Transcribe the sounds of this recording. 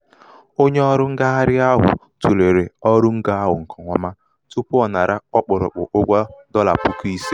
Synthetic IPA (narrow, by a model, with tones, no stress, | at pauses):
o˦ɲe˦ɔ˦ɾʊ˦ŋ̩˦ɡa˦ɦa˦ɾɪ˦a˦ɦʊ̰˨ | tu˨le˨ɾe˨ɔ˦ɾʊ˦ŋ̩˦ɡa˦a˦ɦʊ˨ŋ̩˨kʰɔ˨ŋʷa˦ma˦ | tu˦pʊ˦ɔ˨na˨ɾa˦ɔ˦k͡pʊ˨ɾʊ̰˨k͡pʊ̰˨ʔʊ˦ɡʷa˦dɔ˦la̰˨pu˦ki˦si˦